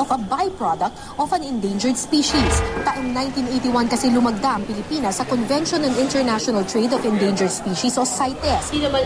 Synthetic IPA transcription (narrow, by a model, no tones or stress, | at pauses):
ʔɔfɐbajpɹod̪ɐk̚t̪ʔɔfɐ̃nɛnd̪ejnd͡ʒɛɹd̪spiːʃisɐt̪aʔɐŋnãjnt̪inʔejt̪iwankɐsɛlʊmɐɡ̚d̪aʔɐŋpɪlɪpiːnɐsːɐkɔnvɛnʃonɐ̃nɪnt̪ɛɹnaʃɔnɐlt̪ɹejd̪ɔfɛ̃nd̪ejnd͡ʒɛɹd̪spiʃisʔosajt̪ɛsinɐmɐ